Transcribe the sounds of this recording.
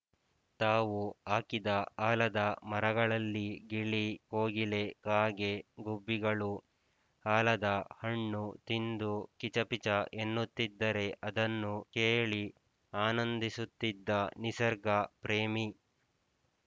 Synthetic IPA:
t̪aːʋuaːkid̪ɐaːlɐd̪ɐmɐɾɐɡɐɭɐlːiɡiɭikoːɡile̞kaːɡe̞ɡubːiɡɐɭu | haːlɐd̪ɐhɐɳːut̪ind̪ukit͡ʃɐpit͡ʃɐʔenːut̪ːid̪ːɐɾe̞ʔɐd̪ɐnːukeːɭi | aːnɐnd̪isut̪ːid̪ːɐnisɐɾɡɐpɾeːmi

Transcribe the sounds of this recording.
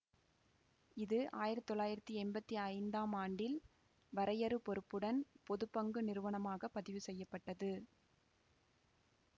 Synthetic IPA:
ɪðɯʔaːjɪɾɐt̪ːt̪ːɔɭːaːjɪɾɐt̪ːiɛmbɐt̪ːiɐɪnd̪aːmaːɳɖɪl | ʋɐɾɐjɐɾɯpɔɾɯpːɯɽɐnpɔðɯpːɐŋɡɯnɪɾɯʋɐɳɐmaːɣɐpːɐðɪʋɯsɛjːɐpːɐʈːɐðɯ

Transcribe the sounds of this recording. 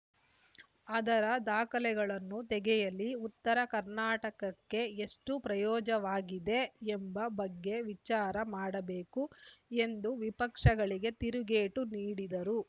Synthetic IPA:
ɐd̪ɐɾɐd̪aːkɐlɛɡɐɭɐnːut̪ɛɡɛjɐliut̪ːɐɾɐkɐɾnaːʈɐkɐkːe̞eʂʈupɾɐjɔːd͡ʒɐʋaːɡid̪e̞embɐbɐɡːe̞ʋit͡ʃaːɾɐmaːɽɐbeːkue̞nd̪uʋipɐkʂɐɡɐɭiɡe̞t̪iɾuɡeːʈuniːɽid̪ɐɾu

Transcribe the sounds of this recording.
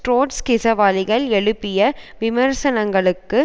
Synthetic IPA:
ʈɾoːʈskɪsɐʋaːlɪɣɐɭɛɭɯpːɪjɐʋɪmɐɾsɐnɐŋɡɐɭɯkːɯ

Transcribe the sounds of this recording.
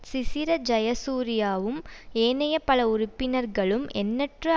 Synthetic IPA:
sɪsɪɾɐd͡ʒɐjɐsuːɾɪjaːʋɯmeːnɐjɐpɐlɐʊɾʊpːɪnɐɾɡɐɭɯmʔɛ̰nːɐʈrɯ

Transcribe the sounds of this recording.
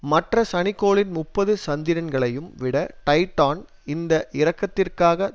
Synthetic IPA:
mɐʈrɐsɐɳɪkːoːɭɪnmʊpːɐðɯsɐnd̪ɪɾɐnɡɐɭɐjɯmʋɪɽɐʈɐɪʈːaːn | ɪnd̪ɐʔɪɾɐkːɐt̪ːɪrkaːɣɐ

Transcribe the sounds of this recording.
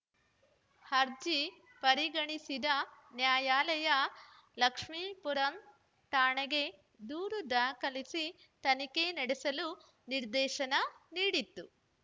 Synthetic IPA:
hɐɾd͡ʒi | pɐɾiɡɐɳisid̪ɐnjaːjaːlɐjɐ | lɐkʂmipuɾɐn | t̪aːɳeɡe̞ | d̪uːɾud̪aːkɐlisi | t̪ɐnikenɐɽesɐlu | niɾd̪ɛːʃɐnɐniːɽit̪ːu

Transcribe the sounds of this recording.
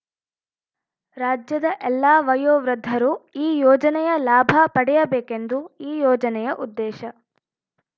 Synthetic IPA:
ɾaːd͡ʒjɐd̪ɐʔɛlːaːʋɐjoːʋɾɐd̪ʱːɐɾuiːjɔːd͡ʒɐnɛjɐlaːbʱɐpɐɽɛjɐbeːkend̪uiːjɔːd͡ʒɐnɛjɐʔud̪ːɛːʃɐ

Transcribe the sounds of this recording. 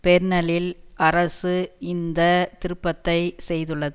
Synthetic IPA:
pɛɾnɐlɪlʔɐɾɐsɯɪnd̪ɐt̪ɪɾɯpːɐt̪ːɐɪsɛjðɯɭːɐðɯ

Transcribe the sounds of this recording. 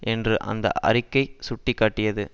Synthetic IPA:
ʔɛndrɯʔɐ̰nd̪ɐ̰ʔɐ̰rɪkːɐɪsʊʈːɪkːaːʈːɪjɐðɯ

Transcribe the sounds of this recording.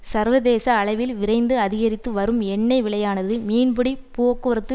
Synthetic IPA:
sɐɾʋɐðeːsɐːɭɐʋɪlʋɪɾɐɪnd̪ɯɐðɪɣɐɾɪt̪ːɯʋɐɾɯmɛɳːɐɪʋɪɭɐjaːnɐðɯmiːnbɯɽipoːkːɯɐɾɐt̪ːɯ

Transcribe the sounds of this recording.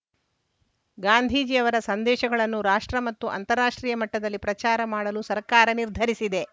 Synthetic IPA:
ɡaːnd̪ʱiːd͡ʒiɐʋɐɾɐsɐnd̪ɛːʃɐɡɐɭɐnːuɾaːʂʈɾɐmɐt̪ːuʔɐ̰nt̪ɐɾːaːʂʈɾiːjɐmɐʈːɐd̪ɐlːipɾɐt͡ʃaːɾɐmaːɽɐlusɐɾkaːɾɐniɾd̪ʱɐɾisid̪e̞

